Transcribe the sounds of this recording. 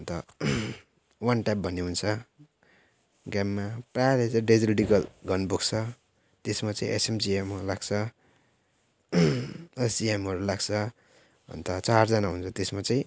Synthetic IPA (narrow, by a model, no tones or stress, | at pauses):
ʌnt̪ʌ | wʌnʈajpbʱʌnːeɦunt͡sʰʌ | ɡamːapraɾet͡sãɖed͡zilɖiɡʌlɡʌnbokt͡sʰʌ | t̪esmat͡sãĩʔesemd͡ziemulaɡt͡sʰʌ | ʌsd͡ziemʌɾulaɡt͡sʰʌ | ʌ̰nt̪ʌt͡sard͡zʌnaɦunt͡sʰʌt̪esmat͡saĩ